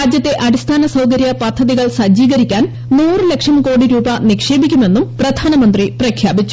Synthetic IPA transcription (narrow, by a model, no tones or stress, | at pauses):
aːd͡ʑjɐt̪ːe̞ʔɐɽist̪ʰaːnɐsɐwkɐɾjɐpɐd̪ʱːɐðiɣɐɭsɐd͡ʑiːɣɐɾikʲːaːn | nuːrɨle̞kʂɐmko̞ːɽiɾuːbɐnikʂe̞ːbikʲːume̞nːumprɐd̪ʱaːnɐmɐnd̪riprɐkʰjaːbit͡ɕːu̥